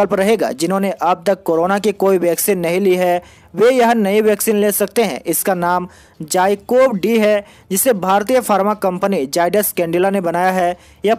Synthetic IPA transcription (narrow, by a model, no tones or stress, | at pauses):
əlpɾɐɦeːɡa̰ːd͡ʒɪnɦõneʔɐb̚t̪ɐk̚kːoːɾoːnakikoːiʋɛːksiːnːɐɦĩliɦɛ | ʋejɐɦnɐiʋjɛːksiːnleːsɐk̚t̪eɦɛ̰̃ʔɪskanaːm | d͡ʒaːɪkoːbɖiɦɛ | d͡ʒɪsːebʱaːɾt̪ijəfaːɾmakɐ̃mpənid͡ʒaːɪɖəskɛ̃ːɳɖɪlanebɐnaːjaɦɛ | ja